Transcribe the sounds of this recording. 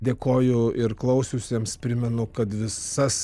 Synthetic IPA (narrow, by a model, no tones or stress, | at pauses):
d̪ʲeːkoːjʊɪɾklˠɐʊsʲʊsʲeɛmspʲɾʲɪmʲɛnʊkɐt̪ʋʲɪssɐs